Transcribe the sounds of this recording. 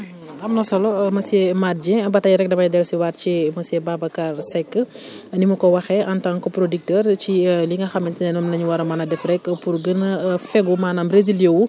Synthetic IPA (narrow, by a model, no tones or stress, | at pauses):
ɐmnɐsɔlɔmɐsɛmat̚d͡ʒɛ̃bɐtɐjɾɛk̚dɐbɐdɛlsiwaːtcimɐsɛbabɐkarsɛkːə | nimukɔwɐxɛʔɐntaŋkɔpɾodik̚tɛrciliŋɡɐxɐmɛntɛnɛnɔmlɐɲwɐɾɐmɐnɐdɛfrɛkpurɡənɐfɛɡumaːnambɾeziljɛwu